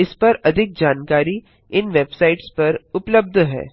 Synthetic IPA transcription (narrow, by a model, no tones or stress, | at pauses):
ɪspɐɾɐd̪ʱɪk̚d͡ʒaːnkaːɾi | ɪnʋeːbsaːɪʈspɐɾʊpləb̚d̪ʱɦɛ̰ː